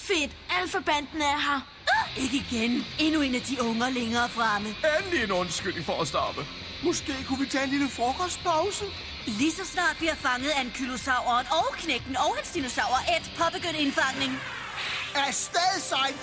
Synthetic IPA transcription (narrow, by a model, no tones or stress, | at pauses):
fe̝d̥æl̰fɒb̥æn̰d̥n̩əæɐɦɑ | e̝ɡ̥əiɡ̥ene̝nue̝næd̥iɔ̽ŋəleŋɐːfʁɑməænlienɔ̽nsɡ̥yl̰ŋfɒæsd̥ɑ̰̈ːb̥ə | mɔ̽sɡ̥e̝̰ːkʰuʋit͡sʰɛ̰ːe̝nliləfɒːɡ̥ɒsd̥̚pʰɑ̈ʊsə | lisɒ̽snɑ̰̈ːd̥ʋihɑ̈fɑ̈ŋəð̞̩ˠæe̝nkʰylo̝sɑ̈ʊ̰ɐːnɒ̽ʊkʰneɡ̥n̩ɒ̽ʊensd̥ino̝sɑ̈ʊ̰ɐʔed̥pʰɒ̽b̥eɡ̥øn̰e̝nfɑ̈ŋ̰ne̝ŋ | æɐsd̥ɛðˠisɑ̈ɪ̰